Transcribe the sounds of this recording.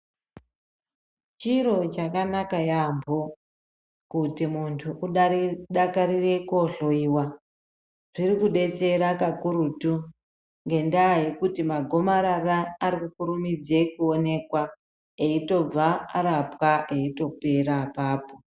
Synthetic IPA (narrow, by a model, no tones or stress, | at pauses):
t͡ʃiɾo̞t͡ʃakanakajambo̞ | kutimuntʰuʔuɗaɗakaɾire̞koɬo̞iːwa | ʐ̥irikuɗe̞t͡se̞ɾakakuɾutu | ŋɡe̞ndaːje̞kutimaɡʱo̞maɾaraːɾikukuɾumid͡ze̞kuo̞ne̞kwa | eito̞b͡vaaɾapwaʔe̞ito̞pe̞ɾapaːpo̞